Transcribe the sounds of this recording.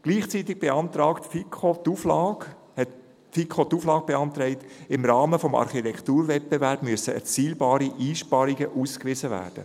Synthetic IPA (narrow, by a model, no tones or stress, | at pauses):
ɡ̥liːχt͡sit̪ːɪɡ̚b̥eɑnt̪ɾɑːktfikʰχot̪uflɑːɡ | hɛt | fikʰot̪uːflɑːɡ̚b̥eɑnt̪ɾɛɪtɪmɾɑːməfɔmɑ̰ɾχitɛkt̪uːɾvɛt̚b̥evæɾb̥myəsəɛ̰ɾt͡siːlbɑːɾiʔiːʃpɑɾiɡəʔuːskʋɪzəvæ̰ːrd̥ə̰